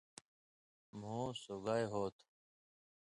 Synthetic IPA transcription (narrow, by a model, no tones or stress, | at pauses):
m̤õːsoɡaːjɦoːt̪ʰ